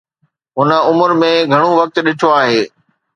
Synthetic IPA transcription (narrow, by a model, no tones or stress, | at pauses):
ɦʊnə̆ʊmʊɾmẽɡʱɐɽ̃uʋɐk̚t̪ɗɪʈʰoaːɦeː